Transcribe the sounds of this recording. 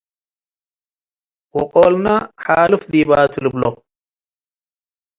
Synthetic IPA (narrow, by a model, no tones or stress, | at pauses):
wɔqʼolnaħalɨfziβat̪ʰɨlɨblo